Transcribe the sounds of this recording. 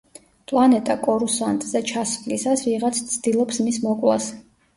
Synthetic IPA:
pʼlˠanɛt̪ʼakʼɔɾusant̪ʼz̥ɛt͡ʃʰasvlisasviʁat̪sʰt̪sʰd̪̥ilˠɔpsmismɔkʼlˠa̰s

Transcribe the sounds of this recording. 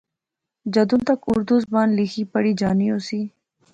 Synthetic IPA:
d͡ʒɐd̪unt̪ɐkʊɾd̪uzbɑːnlixipɐɽid͡ʒaːnioːsiː

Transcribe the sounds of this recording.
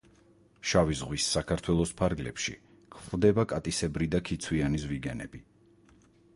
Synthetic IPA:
ʃavizʁwisːakʰaɾt̪ʰwɛlˠɔspʰaɾɡlɛ̰pʃḭ | kʰχvd̪ɛbakʼat̪ʼisɛbɾid̪akʰit̪sʰwianizviɡɛnɛ̰b̥i

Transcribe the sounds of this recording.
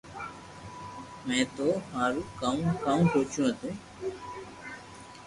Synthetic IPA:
mɛ̃ːt̪oːmaːɾũːkãːkaũːkoːt͡ʃũːɦət̪ũː

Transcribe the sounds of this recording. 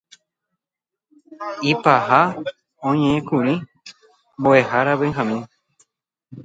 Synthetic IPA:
ipaha | õɲẽẽkuɾĩ | mboe̞haɾaβẽɦãmĩ

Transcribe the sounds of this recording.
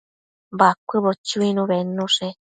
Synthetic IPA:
bakʷɨβot͡ʃuinũβenũʂe

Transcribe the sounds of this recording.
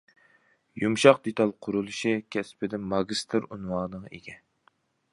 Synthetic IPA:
jumʃɑqd̪et̪ʰɑlˠqʰʊɾulˠuʃikʲʰɛspɪd̪ɪmɑɡʲist̪ʰɨɾunwɑːnɨŋḛɡʲɛ

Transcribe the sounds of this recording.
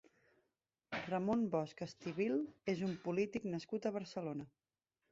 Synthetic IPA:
rəmonbɔskəst̪iβilˠezumpulit̪iknəskut̪əβ̞əɾsəlonə

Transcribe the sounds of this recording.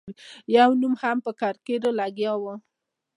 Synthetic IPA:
jawnumhampəkaɾkeɾolaɡjɑwə

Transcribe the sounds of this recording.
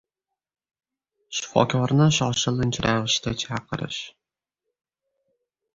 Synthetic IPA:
ʃɪ̥fɒ̰kʰʲɒɾnɪʃɒʃɪlˠɪnt͡ʃɾʔavɪʃt̪at͡ʃʰaqʰɨɾɪ̰ʃ

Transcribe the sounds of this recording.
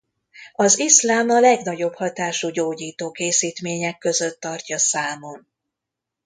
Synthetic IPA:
ɒzislaːmɒlɛɡnɒɟo̞bhɒt̪aːʃuɟoːɟiːt̪oːkeːsiːt̪meːɲɛkːø̞zø̞t̪ːɒrcɒsaːmo̞n

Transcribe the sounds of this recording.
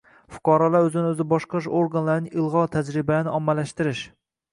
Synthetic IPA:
fʊ̥qʰɑɾɑlˠaɾɵzɪnɪøzɪbɒʃqɑʃoɾɡɑnlaɾnɪɨlˠʁɑt̪ʰæd͡ʒɾɪbænɪʔɒmːælæʃt̪ɪɾɪʃ

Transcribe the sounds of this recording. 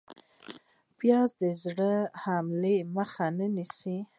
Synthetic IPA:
bjɑzd̪əzɽəhamleməxanənisi

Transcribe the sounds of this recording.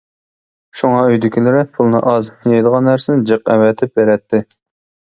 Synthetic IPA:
ʃuŋɑøjd̪ɪkʲʰilɪɾɪpʰulˠnɨ̰ʔɑzhjejd̪əʁɑnːæɾsɪnɪd͡ʒɨqɛ̰wɛt̪ʰɪp̚beɾɛt̪ʰːɪ

